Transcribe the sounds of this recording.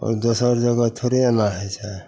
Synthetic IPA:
ɔ̰ɾd̪osəɾd͡ʒəɡat̪ʰoɾeanaɦɛt͡ʃʰa

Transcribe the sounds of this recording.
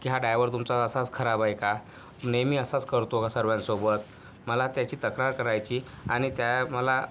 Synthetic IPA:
kiɦaɖajʋəɾt̪umt͡saəsat͡skʰəɾabajka | nemiːəsat͡skəɾt̪okasəɾʋjãnsobət̪ | məlat̪jat͡ɕiːt̪əkɾaɾkəɾajt͡ɕiː | aɽ̃it̪jaməla

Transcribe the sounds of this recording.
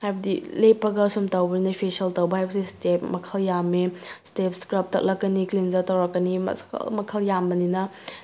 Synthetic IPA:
hajbɐdilepːɐɡɐsomtɐwbɐninɐpʰesɐltɐwbɐhajbɐsistep̚mɐkʰɐljamestep̚skɾɐp̚tɐk̚lɐkːɐniklinzɐɾtɐwɾɐkːɐnimɐ̰skɐ̰lmɐkʰɐljambɐninɐ

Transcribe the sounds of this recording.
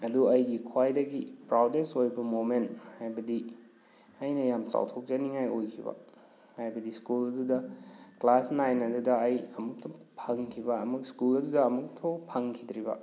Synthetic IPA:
ɐduɐjɡikʰwajdɐɡipɾawdesojbɐmomenthajbɐdi | ɐjnɐjamt͡ʃa̰wtʰok̚d͡ʒɐniŋajojkʰibɐ̰ | hajbɐdiskulɐdudɐklasnajnɐdudɐɐjɐmuk̚tʰopʰɐŋkʰibɐɐmukskulɐdudɐːmuk̚tʰopʰɐŋkʰidɾibɐ̰

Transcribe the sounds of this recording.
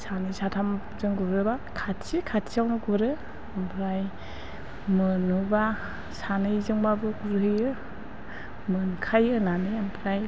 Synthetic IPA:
sanɯsatʰam | zɯŋɡuɾɯbakʰatsikʰatsiawnɯɡuɾɯ | ampʰɾaj | mɯnuba | sanɯjzɯŋbabɯkuɾɦɯjɯ | mɯnkʰajɯnanɯjampʰɾaj

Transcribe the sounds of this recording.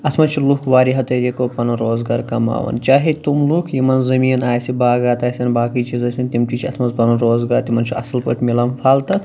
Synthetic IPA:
ɐsʰmɐnt͡ʃʰulukʰʋaːɾiɦɐt̪ɐɾekoːpɐnɐɾoːzɡaːɾkɐma̰ːʋɐ̰nt͡ʃaːɦet̪umlukʰjimɐnzɐmiːnaːjsibaːɡaːt̪aːsʲɐnbaːkɐjt͡ʃizɐsʲint̪imt̪it͡ʃʰiɐsmɐnzpɐnɐɾoːzɡaːɾt̪imɐnt͡ʃʰiɐsɐlpɐʈʰmilɐmpʰaːlt̪ɐ

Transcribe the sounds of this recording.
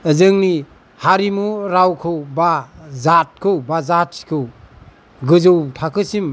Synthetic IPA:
əzɯŋni | haɾimuɾawkʰɯwbazat̚kʰɯwbazatkʰɯw | ɡɯzɯwtʰakʰɯsim

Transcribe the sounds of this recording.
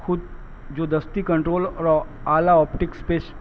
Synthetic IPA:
kʰʊd̪̚ | d͡ʒod̪əst̪ikə̃ɳʈɾoːlɔɾ | alaɔpʈɪkspeʃ

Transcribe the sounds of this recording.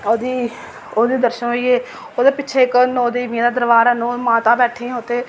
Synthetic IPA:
oːd̪iː | oːd̪iːd̪əɾʃənɦoiːeː | oːd̪eːpɪːʃʰeːɪknoːd̪iːʋĩãd̪aːd̪əɾʋaːɾanõːmãːt̪ãːbɛːʈʰĩːãʊt̪ʰːeː

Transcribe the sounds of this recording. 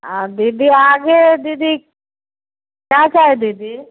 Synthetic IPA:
ad̪id̪iaːɡed̪id̪i | kjãːt͡ʃaːɦed̪id̪i

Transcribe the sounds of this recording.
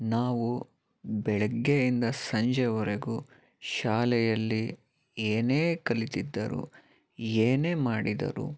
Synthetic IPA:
naːʋu | bɛɭɛɡːeind̪ɐsɐɲd͡ʒɛʋɔɾeɡu | ʃaːlɛjɐlːi | eːneːkɐlit̪id̪ːɐɾṵ | eːneːmaːɽid̪ɐ̰ɾṵ

